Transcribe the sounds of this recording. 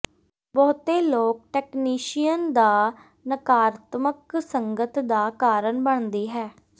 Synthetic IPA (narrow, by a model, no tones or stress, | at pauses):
bɔːt̪eːloːk̚ʈɛːkniːʃijənd̪aː | nəkaːɾt̪məksəŋɡət̪d̪aːkaːɾəɳbəɳd̪iːɦɛː